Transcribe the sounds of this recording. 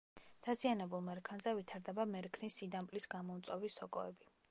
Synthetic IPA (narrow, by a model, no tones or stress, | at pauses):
d̪̥azianɛbulˠmɛɾkʰanzɛvit̪ʰaɾd̪ɛbamɛɾkʰnisid̪ampʼlisɡamɔut̪sʼɔvisɔkʼɔ̰ɛbi